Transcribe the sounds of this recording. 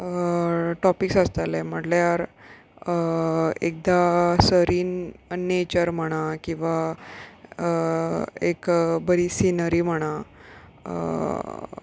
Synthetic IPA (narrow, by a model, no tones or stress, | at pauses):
ʈɔpiksast̪alɛm̤əʈljaɾ | əek̚d̪asəɾiːnnet͡ɕəɾm̤əɽ̃akĩw̃ʋa | ə | ekbəɾiːsinəɾiːm̤əɽ̃a̰